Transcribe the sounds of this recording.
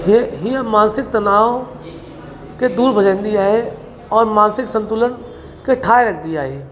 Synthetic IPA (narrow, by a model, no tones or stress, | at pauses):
ɦɦijamaːnsɪk̚t̪ənaːo | ked̪uːɾbʱəd͡ʒãːnd̪iaːɦe | ɔːɾmãːnsɪksə̃nt̪ʊlən | keʈʰaːeɾək̚ʰd̪iaːɦeː